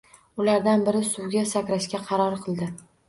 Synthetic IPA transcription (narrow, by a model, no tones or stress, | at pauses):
ʊlaɾd̪anbɪɾɪsʊwɡʲasakʲɾaʃkʲaqʰɑɾɒɾqʰɨlˠd̪ɪ